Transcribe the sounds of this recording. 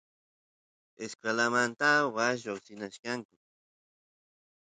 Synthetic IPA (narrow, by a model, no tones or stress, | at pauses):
eskalamant̪awaʒoksɪnaʃkaŋkʊ